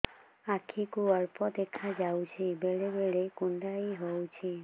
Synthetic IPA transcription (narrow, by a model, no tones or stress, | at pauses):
akʰikuɔɾpɔd̪ekʰad͡ʒawt͡ʃʰibeɭebeɭekuɳɖaiɦowt͡ʃʰi